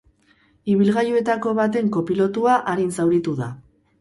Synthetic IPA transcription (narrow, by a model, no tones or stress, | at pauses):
iβ̞ilɣajoe̞t̪ako̞βat̪e̞ŋko̞pilo̞t̪uaʔaɾinsawɾit̪uða